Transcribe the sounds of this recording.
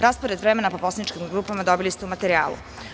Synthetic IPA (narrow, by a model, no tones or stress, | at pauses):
ɾaːspoɾed̪ʋɾemenapo̞po̞sanit͡ʃkimɡɾuːpamad̪o̞bilist̪eumat̪eɾia̰ːlṵ